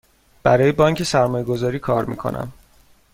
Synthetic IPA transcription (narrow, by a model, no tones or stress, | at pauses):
b̥æɾɒːjebɒːŋcʰe̞sæɾmɒːjeɡo̞zɒːɾiːkʰɒːɾmḭːkʰo̰nʔæ̰m